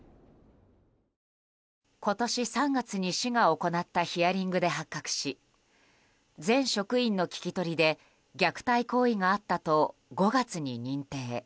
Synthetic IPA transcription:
ko̞t̪o̞ɕisãŋɡat͡sɨɲ̟iɕiɡaoko̞nat̪ːaçiaɾʲĩŋɡɯ̟d̪e̞ɦakːakɯ̥ɕi | d͡zẽ̞ɰ̃ɕo̞kɯ̟ĩnːo̞kʲi̥kʲit̪o̞ɾʲid̪e̞ | ɡʲakɯ̟̥t̪aiko̞ːiŋaːt̪ːat̪o̞ɡo̞ɡat͡sɨɲ̟iɲ̟ĩnt̪e̞ː

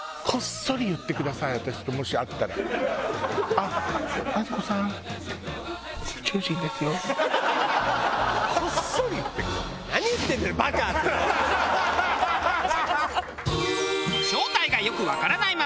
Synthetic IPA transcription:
kʰo̞sːo̞ɾʲijɯ̟t̪ːe̞kɯ̟d̪asaiβat̪aɕi̥t̪o̞mo̞ɕiat̪ːaɾa̰ | aazɨko̞sãŋ | sɨ̥t͡ɕoːʑĩnd̪e̞sɨjo̞ | kʰosːo̞ɾʲijɯ̟t̪ːekɯ̟d̪asanaɲ̟ijɯ̟t̪ːend̪ebakat̪ː | ɕo̞ːt̪aiɡajo̞kɯ̟βakaɾanaima

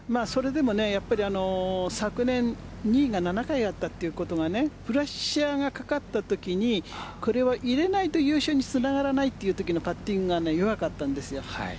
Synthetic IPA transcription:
maːso̞ɾe̞d̪e̞mo̞ne̞japːaɾʲiano̞sakɯ̟nẽ̞n | ɲiːɡananakaiɡat̪ːat̪ːe̞jɯ̟ko̞t̪o̞ɡane̞ɸɯ̟ɾaɕaɡakḁkat̪ːat̪o̞kʲiɲ̟iko̞ɾe̞βaʔiɾe̞nait̪o̞jɯːɕoːɲ̟it͡sɨnaɡaɾanait̪ːe̞ijɯ̟ːt̪o̞kʲino̞pat̪ːĩŋɡɯɡane̞jo̞βakat̪ːãnd̪e̞sɨjo̞a̰

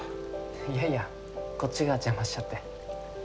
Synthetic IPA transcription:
jaja | ko̞t͡ɕːiɡat͡ɕamaɕt͡ɕːat̪ːe̞

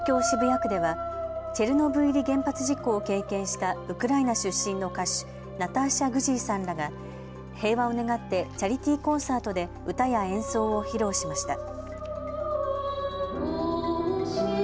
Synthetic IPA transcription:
kʲo̞ːɕibɯ̟jakɯ̟d̪e̞βat͡ɕe̞ɾɯ̟no̞bɯ̟iɾʲiɡẽ̞mpat͡sɨʑikːo̞ːke̞ːkẽ̞ɰ̃ɕi̥t̪aɯ̟kɯ̟ɾainaɕɨɕːĩnnːo̞kaɕɨ̥ | nat̪aɕaɡɯ̟ʑiːsãnɾaɡa | he̞ːβao̞ne̞ɡat̪ːe̞t͡ɕaɾʲit̪ʲiːkõ̞ɰ̃saːt̪o̞d̪e̞ | ɯ̟t̪ajaẽ̞ɰ̃so̞ːoçiɾo̞ːɕimaɕi̥t̪a

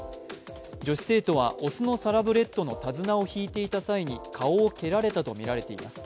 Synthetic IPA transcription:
d͡ʑo̞ɕi̥se̞ːt̪o̞β̞a̰ʔo̞sɨno̞saɾabɯ̟ɾe̞t̪ːo̞no̞t̪azɨnao̞çiːt̪e̞it̪asaiɲ̟ikʰao̞ːke̞ɾaɾe̞t̪at̪o̞mʲiɾaɾe̞t̪e̞imasɨ̥

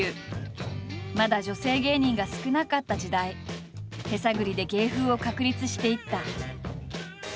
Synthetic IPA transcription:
ɯ | mad̪aʑo̞se̞ːɡe̞ːɲ̟ĩŋɡasɨ̥kɯ̟nakat̪ːad͡ʑid̪ai | he̞saɡɯ̟ɾʲid̪e̞ɡe̞ːɸɯ̟ːo̞kakɯ̟ɾʲit͡sɨɕi̥t̪e̞it̪ːa

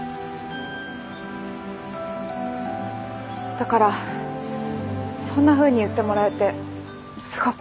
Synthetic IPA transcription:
d̪̥akaɾa | sõ̞nːaɸɯ̟ːɲ̟iɯ̟t̪ːe̞mo̞ɾaet̪e̞ | sɨ̥ɡak

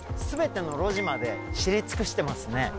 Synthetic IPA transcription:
sɨbe̞t̪e̞no̞ɾo̞ʑimad̪e̞ɕiɾʲit͡sɨ̥kɯ̟ɕi̥t̪e̞masɨne̞

